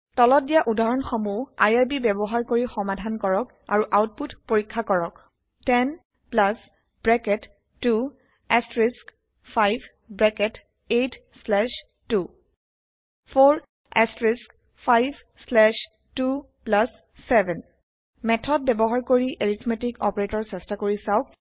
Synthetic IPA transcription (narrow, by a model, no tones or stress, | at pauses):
tɔlɔdijaʔudaɹɔnxomua̰jaɹbibɛbɔɦaɹkoɹixɔmadʱankɔɹɔk | aɹuʔawt̚putpoɹikʰːakɔɹɔk | tɛn | plas | bɹɛkɛtː | u | ɛstɹisk | pʰajbʱ | bɹɛkɛt | etʰ | slɛʃ | tu | pʰoɹ | ɛstɹisk | pʰajbʰʱ | slɛʃ | tu | plasː | ɛbʱɛn | mɛtʰɔd̚bɛbɔɦaɹkoɹiʔeɹitʰmetikɔpɹetɔɹsɛstakoɹisaʊk̚